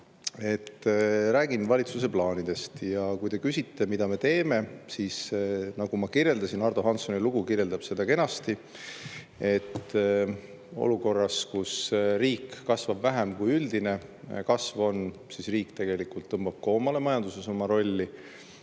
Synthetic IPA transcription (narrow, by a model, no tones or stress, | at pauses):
e̞t̪ːɾæːɡinvɑlʲit̪suse̞plɑːnid̪̥e̞st̪jɑkujd̪e̞kysʲit̪ːe̞mid̪̥ɑme̞t̪e̞ːme̞siːsnɑɡ̥umɑkirje̞ld̪ɑsinɑrd̪o̞ɦɑnt̪soniluɡ̥ukiɾjeld̪ɑb̥se̞d̪̥ɑke̞nɑst̪i | e̞t̪ː | o̰luko̞rːɑskusriːkːɑsvɑbvæɦemkujyld̪ine̞kɑsvo̞nsisriːkt̪e̞ɡ̥e̞likult̪ːɤmbɑb̥̚koːmɑle̞mɑjɑnd̪use̞so̞mɑɾo̞lʲːi